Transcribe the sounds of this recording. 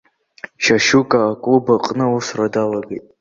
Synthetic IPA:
ʃaʃukʼaːkʼlubaqʼnɨusradalaɡejtʼ

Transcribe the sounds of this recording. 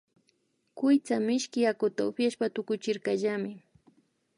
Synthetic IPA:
kʊjt͡samɪʃkɪjakʊt̪aʊpjaʃpat̪ʊkʊt͡ʃɪɾkaʒamɪ

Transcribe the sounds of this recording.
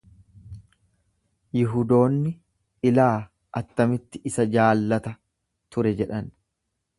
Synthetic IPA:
jɪɦʊd̪o̞ːnːɪ | ɪlaː | ʔɐt̪ːɐmɪt̪ːɪʔɪsɐd͡ʒaːlːɐt̪ɐ | t̪ʊɾɛd͡ʒɛᶑɐn

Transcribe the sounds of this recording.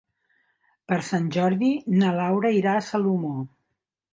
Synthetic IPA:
pəɾsanʲʒɔɾðinəlawɾəiɾasəlumo

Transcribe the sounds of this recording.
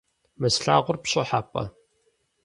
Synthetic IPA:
mɨsɬa̰ːʁʷʊrpɕɐħaːpʼɐ̰

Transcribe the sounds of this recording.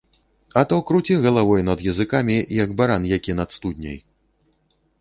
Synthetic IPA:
ɐt̪ɔkɾut͡sʲiɣɐlˠavɔjnɐd̪jɐzɨkamʲijɐɡbaɾanjakʲinɐt̪st̪ud̪ʲnʲɐ̰j

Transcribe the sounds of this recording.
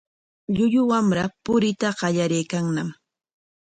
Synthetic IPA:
ʎʊʎʊwamɾapʊɾɪt̪aɢɑʎaɾejkaŋnam

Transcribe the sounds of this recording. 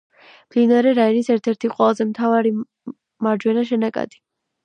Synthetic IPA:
md̪inaɾɛɾainisɛɾt̪ʰɛɾt̪ʰiqʼwɛlˠazɛmt̪ʰavaɾi | maɾd͡ʒwɛnaʃ̬ɛnakʼa̰d̪̥i

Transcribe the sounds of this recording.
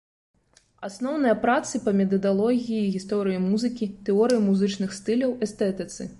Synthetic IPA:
asnɔwnɨjɐpɾat̪sɨpɐmʲɛt̪̬ɐd̪alˠɔɣʲijiːɣʲist̪ɔɾɨjimuzɨkʲit̪ɛɔɾɨjimuzɨt͡ʂnɨxst̪ɨlʲɐwɛst̪ɛt̪ɨt̪sɨ

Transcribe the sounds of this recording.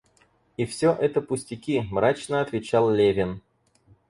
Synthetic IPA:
ifsʲoʔɛt̪əpʊsʲtʲɪkʲimɾat͡ɕnəɐt̪vʲɪt͡ɕalˠlʲevʲɪn

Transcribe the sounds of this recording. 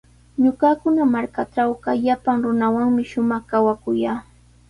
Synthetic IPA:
ɲʊkakʊnamaɾkaʈ͡ʂawɢɑjapaŋɾʊnawaŋmɪʃʊmɑχkawakʊjaː

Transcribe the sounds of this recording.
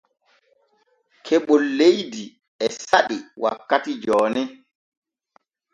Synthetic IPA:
kʰɛɓɔlːejdi | ɛsaɓiwa̰kːatid͡ʒɔːnɛ

